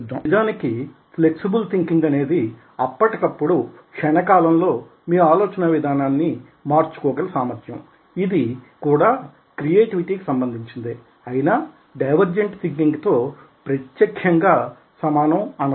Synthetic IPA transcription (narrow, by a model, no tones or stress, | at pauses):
d̪ːɐd̪aːniki | pʰleksibilt̪ʰiŋkiŋɡɐne̞ːd̪i | ɐpːɐʈikɐpːuɽukʂɛnɐkaːlɐmlo̞ː | miːaːloːt͡ʃɐnɐʋid̪ʱaːnaːnːi | maːɾt͡ʃu̥kɔːɡɐlɐsaːmɐɾt̪ʰjɐm | id̪ikuːɽaː | kɾijeːʈiʋiʈiːkisɐmbɐnd̪ʱiɲt͡ʃind̪i | ɐjinɐ | ɖɐjʋɐɾd͡ʒeɳʈt̪ʰiŋk̬iŋɡt̪o̞ː | pɾɐt̪jɐkʰʃɐŋɡaː | sɐmaːnɐmɐn